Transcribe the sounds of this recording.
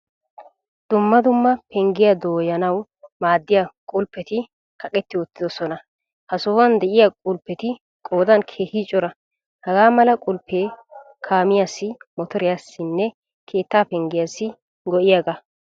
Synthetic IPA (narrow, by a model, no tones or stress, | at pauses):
d̪̥ʊmːɐd̪ʊmːɐpɛŋɡɪjɐd̪oːjɐnɐw | maːd̪ːɪjakʼʊlpːɛt̪ɪ | kʰɐkʼɛt̪ːɪwɔt̪ːɪd̪ɔsɔnɐ | hɐsoːwɐnd̪ɛʔɪjakʼʊlpːɛt̪ɪ | kʼo̞ːd̪ɐnkʰeːhɪt͡ʃʼɔɾɐ | hɐɡaːmɐlɐkʼʊlpːeː | kʰaːmɪjasːɪmɔt̪ɔɾɪjaːsːɪnːɛ | kʰe̞ːt̪ːaːpɛŋɡɪjasːɪ | ɡɔʔɪjaːɡɐ